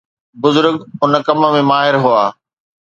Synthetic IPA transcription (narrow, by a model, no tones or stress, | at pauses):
bʊzʊɾɡʊnkɐmə̆mẽmaːɦɪɾɦuaː